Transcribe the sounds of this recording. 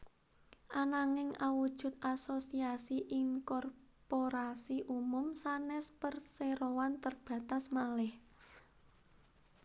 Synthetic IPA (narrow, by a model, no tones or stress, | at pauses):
ʔanaŋɪŋawud̥ʒ̥ʊ̤t̪̚asosiasiʔiŋkɔrpoɾasiʔumʊmsanɛspərseɾowant̪ərb̥ä̤t̪asmalɪh